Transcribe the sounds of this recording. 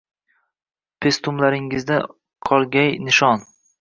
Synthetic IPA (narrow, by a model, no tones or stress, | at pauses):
pʰest̪ʊmlaɾɪŋɪzd̪a | qʰɒlˠɡʲajnɪʃɒn